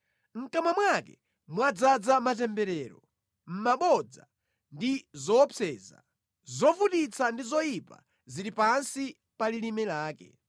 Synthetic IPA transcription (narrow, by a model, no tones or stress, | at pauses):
ŋ̩kamamwakɛ | muwad͡zad͡zamat̬ɛmbɛɾɛːɾɔ | m̩maɓɔd͡za | ndizɔːpʰɛːza̰ | zɔvutit͡sʰandizɔjipa̰ | ziɾipansi | palilimɛlaːkɛ̰